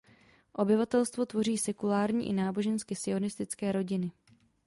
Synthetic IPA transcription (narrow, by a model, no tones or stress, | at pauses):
ʔo̞bɪvat̪ɛlst̪vo̞t̪vo̞riːsɛkulaːɾɲḭːʔɪ̰naːbo̞ʒɛnskɪsɪo̞nɪst̪ɪt͡skɛːɾo̞ɟɪnɪ